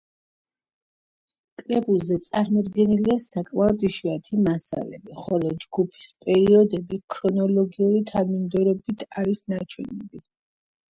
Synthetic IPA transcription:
kʼɾɛbulˠzɛt̪sʼaɾmɔd̪ɡɛniliasakʼmaɔd̪iʃuat̪ʰimasa̰lɛ̰biχɔlɔd͡ʒɡupʰi̥spʼɛɾiɔd̪ɛbikʰɾɔnɔlɔɡiuɾit̪ʰanmimd̪ɔɾɔbit̪ʰaɾisnat͡ʃʰɛnɛbi

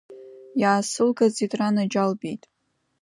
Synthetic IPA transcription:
jaːsɨlɡazitʼranad͡ʒalbejtʼ

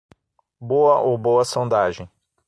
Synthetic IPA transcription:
bowɐʔowbowɐsõnd̪aʒẽj̃

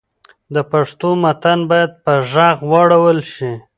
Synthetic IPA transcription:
d̪əpaʂt̪omat̪anbɑjad̪̚pəʒaɣwɑɽawəlʃi

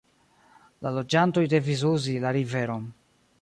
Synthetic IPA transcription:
lalod͡ʒant̪o̞jd̪evis̬uzilaɾiveɾon

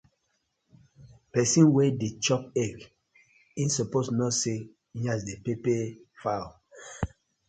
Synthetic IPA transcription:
pɛsĩnwɛdet͡ʃɔpek | ĩnsoposnɔtse | ĩasdepepefa

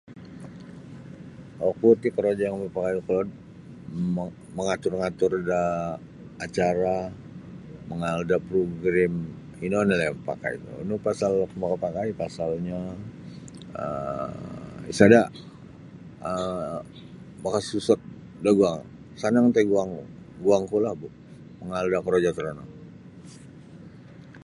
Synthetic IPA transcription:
okut̪ikəɾod͡ʒaŋməpakaiklod | məŋat̪ʊrŋat̪ʊrdaː | t͡ʃaɾa | məŋaldapɾuɡɾɛm | inonalapa̰ka̰ḭt̪ṵnupasalkəmakapakaipasalɲa | ə̰ | ḭsada | ə | makasusɔt̪̚ | daɡuaŋ | sanaŋt̪ajɡuaŋɡuaŋkulahb | məŋaldakəɾod͡ʒat̪əɾana

